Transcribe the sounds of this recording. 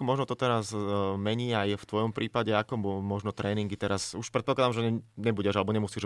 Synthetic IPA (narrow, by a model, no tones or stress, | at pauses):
kɔmɔʒnɔt̪ɔt̪ɛɾazmɛɲiːajft̪ʋɔjɔmpɾʔiːpaɟɛakɔmɔʒnɔt̪ɾɛːniŋɡit̪ɛɾasuʃpɾɛt̪̚pɔklad̪amʒɛɲiɲɛbuɟɛʒalɛbɔɲɛmusiːʒ